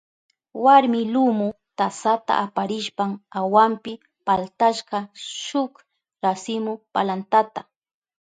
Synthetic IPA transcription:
waɾmɪlʊmʊ | t̪asat̪a̰ʔapaɾɪʃpamawampɪ | palt̪aʃɢɑʃʊk | ɾasɪmʊpalant̪at̪a

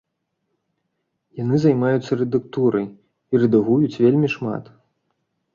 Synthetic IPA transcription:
janɨzajmajut̪sːɐɾɛd̪ɨkt̪uɾɐj | iɾɨd̪aɣujut͡sʲvʲelʲmʲiʂma̰t̪

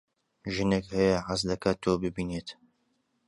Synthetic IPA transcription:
ʒɨnekhɛjɐʕazd̪ɐkʰaːt̪ʰːoːbɨbiːneːt̪

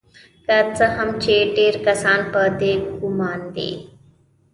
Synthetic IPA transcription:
kɐt͡səɦɐmt͡ʃeːʈeːɾkɐsaːnpəd̪eːkɡumaːnd̪ḛː

